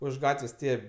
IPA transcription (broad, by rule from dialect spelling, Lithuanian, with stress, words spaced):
ʊʃ ˈɡɑːtʲʋʲeːsʲ ˈtʲiɛ